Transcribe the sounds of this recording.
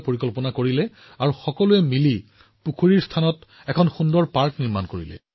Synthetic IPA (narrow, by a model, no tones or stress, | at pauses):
poɹikɔlpɔnakoɹilɛ | aɹuxɔkɔluɛmili | pukʰuɹiɹstʰanɔt | ɛkʰɔnxundɔɹpaɹkniɹmankoɹḭlɛ̰